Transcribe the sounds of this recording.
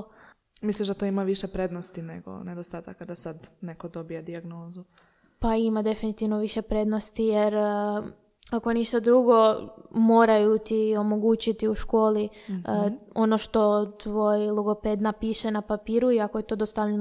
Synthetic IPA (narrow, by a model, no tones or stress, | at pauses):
misliʒd̪at̪oimaʋiʃepɾed̪nost̪ineɡo̰ned̪ost̪aːt̪akːad̪asad̪ne̞kod̪o̞bijed̪iaɡno̞ːzu | paimad̪e̞finit̪iʋnoʋiʃe̞pɾe̞d̪no̞st̪ijeɾ | ako̞niʃt̪ad̪ɾuɡo̞mo̞ːɾajut̪io̞mo̞ɡuːt͡ɕit̪iuʃko̞ːli | o̞no̞ʃt̪o̞t̪ʋo̞jlˠuɡo̞ped̪napiʃenapapiːɾuiakoje̞t̪o̞ːd̪ost̪aʋʎen